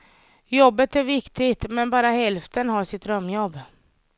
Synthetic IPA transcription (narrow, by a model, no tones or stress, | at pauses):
jɔbːət̪æɾvɪkt̪ɪɡt̪mɛnbɑːɾahɛlft̪ənɦaʂɪt̪ɾœmːjɔbː